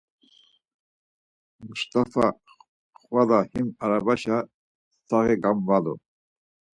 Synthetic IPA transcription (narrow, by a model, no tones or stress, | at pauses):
must̪ʰafa | χwad̪ahimaɾabaʃa | aɣɛɡamvalɔ̰